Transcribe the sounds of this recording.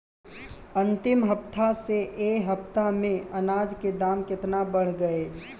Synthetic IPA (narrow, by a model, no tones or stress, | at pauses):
ə̃nt̪ɪmɦəpt̪ʰaseʔeːɦəp̚t̪amẽənaːd͡ʒked̪aːmkɪt̪nabəɽ̤ɡəe